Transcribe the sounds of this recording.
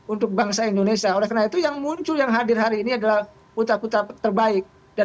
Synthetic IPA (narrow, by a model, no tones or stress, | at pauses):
unt̪ʊk̚baŋsaindonesiaolɛhkənait̪ujaŋmuɲt͡ʃʊljaŋɦadɪrɦaɾiːniadalah | put̪aput̪at̪ərbaɪk̚ | da